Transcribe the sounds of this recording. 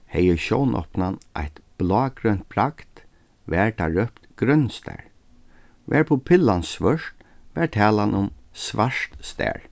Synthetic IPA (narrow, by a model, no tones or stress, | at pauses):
hɛjəʃɔ̰wnʔɔ̰pnanʔa̰jt̪b̥lɔːɡɾœnt̪̚pʰɾakt̪ | ʋɛɹt̪ʰaɹœpt̪ɡ̥ɾœnst̪ɛ̰ːɹ | ʋɛ̰ːɹpʰʊpʰɪlːansʋœʂt̪ʋɛɹt̪ʰɛːlanʔʊmsvaʂt̪st̪ɛ̰ːɹ